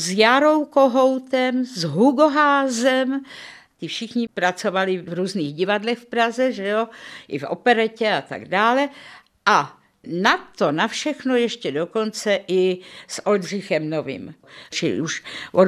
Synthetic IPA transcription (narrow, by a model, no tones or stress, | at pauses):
zjaɾo̞wkoɦowt̪ɛmzɦuɡoɦaːzɛm | t̪ɪfʃɪxɲɪpɾat͡so̞valɪvɾuːzniːɣɟɪvadlɛxfpɾazɛʒɛoʔɪ̰fʔo̰pɛɾɛcɛat̪a̰ɡdaːlɛ | ʔa | nat̪onafʃɛxnojɛʃcɛdo̞ko̞nt͡sɛʔɪsʔoldr̝ɪxɛmnovḭmt͡ʃɪ̰uʃo